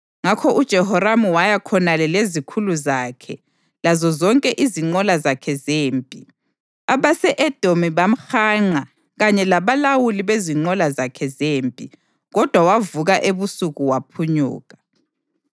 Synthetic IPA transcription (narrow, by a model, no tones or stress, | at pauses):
ŋakʰɔʔud̥ʒ̥ʱɛɦɔɾamuwajakʰɔnalɛlezikʰuluzaːkʰɛ | lazɔzɔŋkʼɛʔiziŋ͡ǃɔlazakʰɛzeːmpʼi | aβasɛʔɛd̥ʱomiβam̩xaːŋ͡ǃa | ɣaɲɛlaβalawuliβeziŋ͡ǃɔlazakʰɛzeːmpʼḭ | ɣɔd̥ʱwawavuɣaʔeβusuɣuwapʰuɲṵːɣa